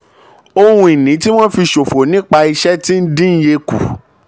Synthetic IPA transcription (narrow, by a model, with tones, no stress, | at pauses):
o˧hũ˧i˨nĩ˨˦ti˦w̃ɔ̃˦fi˧ʃo˨fo˨nĩ˦k͡pa˧i˧ʃɛ˦tĩ˦n̩˦dĩ˦n̩˦je˧kṵ˨